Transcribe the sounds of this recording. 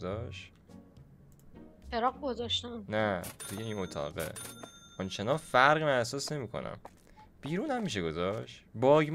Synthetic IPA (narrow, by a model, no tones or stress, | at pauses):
zɒʃt | feɾɒːɣɡozɒʃt̪ænnæt̪ʰujeĩːnot̪ʰɒ̰ːɣḛʔɒnt͡ʃʰenɒnfæɾʁimænæhsɒːsne̞miːkʰo̰nʔæ̰m | b̥iːɾuːnhæmːiːʃ̬eɡozɒʃt̪bɒːɡm